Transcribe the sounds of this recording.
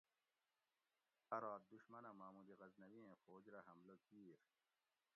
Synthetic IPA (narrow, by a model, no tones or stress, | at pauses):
ɐɾaːt̪̚d̪uɕmɐnamaːmud̪iɣɐznɐwiẽfoːd͡ʑɾaɦɐmlokiːɾ